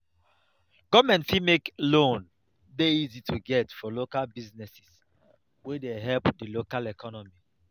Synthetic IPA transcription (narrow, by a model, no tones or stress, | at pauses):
ɡ̥ɔvmɛ̃ntfimeklõn | deizitʰuɡɛtfɔlokalbiznɛsi̥s | wɛdeɦɛlpdəlokalɛkʰɔnɔmi